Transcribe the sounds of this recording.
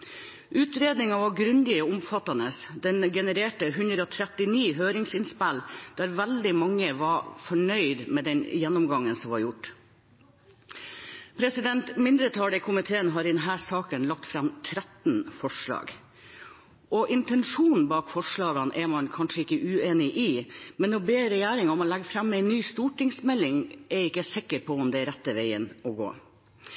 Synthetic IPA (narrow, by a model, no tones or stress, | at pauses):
ʔʉːt̪ɾeːd̪nɪŋɑʋɑɡɾʉnd̪ɪɔʊmfɑt̪ːɑnəsd̪ɛnɡɛnəɾeːʈəɦʉnd̪ɾəɔt̪ʰɾɛt̪ɪniːɦøːɾɪŋsɪnspæld̪̥æːɾʋæld̪ɪmɑŋːəʋɑfɔɳœʏd̪mɛːd̪ɛnjɛnːɔmɡɑŋːənsɔmʋɑɾjʊʈː | pʰɾɛsɪd̪ɛnt̪mɪnd̪ɾət̪ʰɑːləkʰʊmɪt̪ʰeːənɦɑːɾɪd̪ɛnɦæːsɑːkənlɑk̚t̪fɾɑmt̪ʰɾæt̪nfɔʂɭɑ̰ːɡ | ɔʔɪnt̪ɛnʂuːnn̩bɑːkfɔʂɭɑːɡɑnʔɛmɑnkʰɑnʂəɪkːəʔʉːeːnɪʔɪmɛnɔbeːɾɛjæːɾɪŋɔmɔlæɡəfɾɑmːɛɪnːyːst̪uːʈɪŋsmɛlːɪŋɛɪkːəsɪkːəɾpʰɔɔmd̪ɛɾæt̪ːəʋeɪənɔɡo̰ː